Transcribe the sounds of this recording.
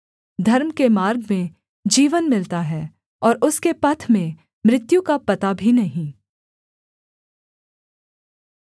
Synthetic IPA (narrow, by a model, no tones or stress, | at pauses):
d̪ʱɐɾmkemaːɾɡmẽ | d͡ʒiːʋənmɪlt̪aɦɛː | ɔːɾʊskepɐt̪ʰmẽ | mɾɪt̪jũkapɐt̪abʱinɐɦĩː